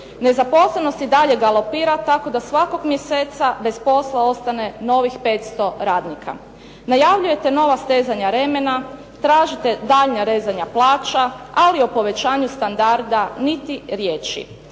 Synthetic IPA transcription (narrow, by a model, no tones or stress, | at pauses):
ne̞zapo̞sleno̞st̪id̪aʎe̞ɡalˠopiːɾat̪ako̞d̪asʋako̞ɡmjeseːt̪sabe̞spo̞slˠao̞st̪ane̞no̞ʋixpe̞ːt̪st̪o̞ɾaːd̪nikʰa̰ | najaʋʎuje̞t̪e̞no̞ʋast̪e̞ːzaɲaɾe̞me̞na | t̪ɾaːʒit̪e̞d̪aʎɲaɾe̞ːzaɲaplˠaːt͡ʃaalio̞po̞ʋe̞t͡ɕaːɲust̪and̪aɾd̪anit̪iɾje̞ːt͡ʃḭ